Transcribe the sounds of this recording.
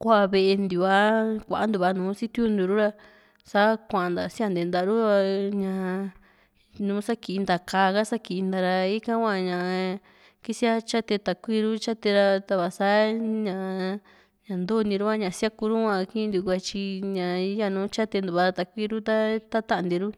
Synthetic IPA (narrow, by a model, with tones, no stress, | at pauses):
kʷa˦˧βe˧ʔe˧nd̪u˨a˧˦kʷa̰˨ʔa˦nd̪u˨βa˧nũː˨˦si˦t̪ju˧˦nd̪u˧ɾu˦ɾa˧ | sa˦kʷã˨˧˨nd̪a̰˨si˦a˦˧nd̪e˨nd̪a˧˨˧ɾu˦a˧ɲã˧ | nũː˨˦sa˦ki˨˧nd̪a˨kaː˧ɣa˦sa˦ki˨˧nd̪a˧ɾa˧i˦kã˦kʷã˧ɲã˨ | ki˦si˦a˧t͡ʃa˦t̪e˧t̪a˨kʷi˦ɾu˦t͡ʃa˦t̪e˧ɾa˧t̪a˧βa˨sa˦ɲã˧˨ | ɲã˨nd̪o˦˧nĩ˧ɾu˦a˦ɲã˨˧sja˦ku˧ɾu˦kʷã˧kĩ˦˧nd̪i˧kʷa˧t͡ʃi˧ɲã˨˦ja˧nũː˦t͡ʃa˦t̪e˧nd̪u˨βa˧ɾa˧t̪a˨kʷi˦ɾu˦t̪a˦t̪a˦t̪a˦˧nd̪i˧ɾu˦